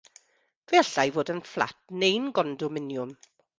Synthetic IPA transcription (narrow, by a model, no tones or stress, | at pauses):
v̥veaɬajvoːdənflˠa̰t̚nejnɡɔndʊmɪnjʊm